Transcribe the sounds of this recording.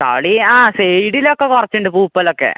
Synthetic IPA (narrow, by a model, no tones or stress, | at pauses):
t̪a̰ɽiaːsejɽilokːekurɐt͡ɕːuɳɖɨpuːpːɐlokːḛ